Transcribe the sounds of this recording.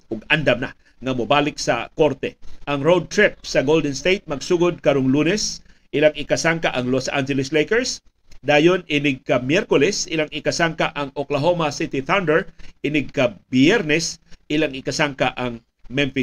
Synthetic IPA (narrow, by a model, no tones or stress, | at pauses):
ʔʊɡ̚and̪ɐmna̰ | ŋɐmʊbaːlɪksɐ̰koɾt̪ɛʔɐŋɾowd̪̚t̪ɹɪp̚sɐɡowld̪ɛnst̪ejt̪̚mɐɡsuːɡʊd̪̚kɐɾoŋluːnɛsʔɪlaŋɪkasaŋkaʔɐŋlosʔa̰nd͡ʒɛlɪslejkɛɹs | d̪aːjonɪnɪɡ̚kamjɛɾkʊlɛsɪlaŋɪkasaŋkaʔɐŋoklaɦomasɪt̪ɪθawnd̪ɛɹʔɪnɪɡ̚kabjɛɾnɛsʔɪlaŋɪkasaŋkaʔaŋ | mɛɱfɪ